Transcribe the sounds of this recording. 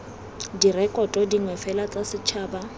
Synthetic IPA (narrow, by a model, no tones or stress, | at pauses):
dirɛkʼɔtʼɔdiŋwɛfɛlat͡sʼasɪt͡ʃʰaːba